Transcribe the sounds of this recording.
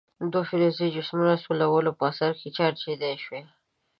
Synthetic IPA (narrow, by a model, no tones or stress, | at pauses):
d̪wofiɾozid͡ʒʊsmunasolawəlopəasaɾket͡ʃɑɾt͡ʃed̪eʃwe